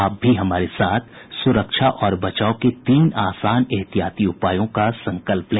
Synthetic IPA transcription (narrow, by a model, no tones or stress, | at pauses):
aːp̚bʱiɦɐmaːɾesaːt̪ʰsʊɾəkʃʰaʔɔːɾbɐt͡ʃaːoket̪iːnaːsaːneɦt̪ijaːt̪iʊpaːjõkasɐ̃ŋkəlplẽ